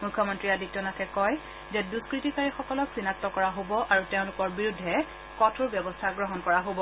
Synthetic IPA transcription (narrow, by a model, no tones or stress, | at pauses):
mujkʰːɔmɔntɹiadik̚tɔnatʰɛkɔj | zɛduskɹitikaɹixɔkɔlɔksinatːɔkɔɹaɦobɔʔaɹuteʊ̃lʊkɔɹbiɹudʱːɛ | kɔtʰuɹbjɛbɔstʰaɡɹɔɦɔnkɔɹaɦobɔ